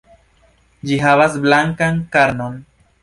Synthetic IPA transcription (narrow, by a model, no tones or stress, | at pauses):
d͡ʒiɦaβasblaŋkaŋkaɾnon